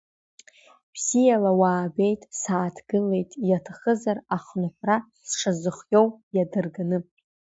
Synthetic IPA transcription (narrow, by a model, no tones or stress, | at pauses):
bz̥ijalawaːbe̞jtʼsaːtʰɡ̥ɨle̞jtʼjatʰaχəzaraχnɨħʷrasʂazɨχjowjadɨrɡanɨ